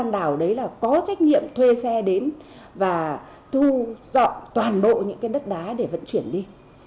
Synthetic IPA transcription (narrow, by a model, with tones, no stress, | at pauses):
a˧nɗaː˧˩wɗə˨˦jlaː˨˩kɔ˨˦t͡ɕa˦˥jk̟̚nḭ˧˨əmt̪ʰwe˧sɛ˧ɗe˨˦n | vaː˨˩ | t̪u˧zɔ̰˧˨t̪waː˨˩nɓo̰˧˨ɲɨ̰˧˥ŋkaː˨˦jɗə˦˥t̚ɗaː˨˦ɗe˧˩və̰˧˨nt͡ɕwi˧˩ənɗi˧